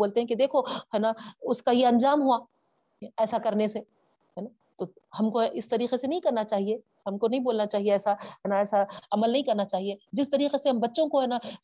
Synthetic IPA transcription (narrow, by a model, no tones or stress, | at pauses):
oːlt̪eɦɛ̃kid̪eːkʰoɦɛːnaʊskajeɐ̃nd͡ʒaːmɦua | ɛːsakɐɾnese | ɦɛna | t̪o | hɐmkoʔɪst̪ɐɾiːqesenɐɦĩkɐɾnat͡ʃaːɦie | ɦɐmkonɐɦĩboːlnat͡ʃaːɦieɛːsaɦɛːnaɛːsaɐməlnɐɦĩkɐɾnat͡ʃaːɦied͡ʒɪst̪ɐɾiːqeseɦɐmbɐtːʃõkoɦɛːna